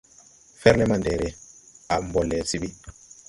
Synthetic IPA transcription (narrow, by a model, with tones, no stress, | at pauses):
fɛ˦ɾlɛ˦ma˨ndɛ˨ɾɛ˨a˨mbɔ˨lːɛ˨si˦bi˦